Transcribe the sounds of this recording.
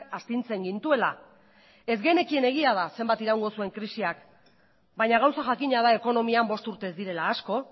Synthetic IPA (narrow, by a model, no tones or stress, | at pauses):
kast̪int͡se̞ŋɡint̪ue̞la | e̞zɣejne̞kie̞ne̞ɣ̞iað̞ase̞mbat̪iɾawŋɡo̞sue̞ŋkɾisiak | bajɲaɣ̞awsaʝakiɲaðae̞ko̞no̞miambo̞st̪uɾt̪e̞zd̪iɾe̞laːsko̞